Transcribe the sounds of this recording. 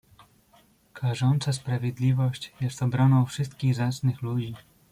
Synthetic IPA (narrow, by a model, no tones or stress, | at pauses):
kʰaʐɔnt̪saspɾavʲjɛd̪lʲivɔɕt͡ɕjɛst̪ɔbɾɔnɔ̃w̃fʂɘst̪kʲiɣzat̪snɘxlud͡ʑi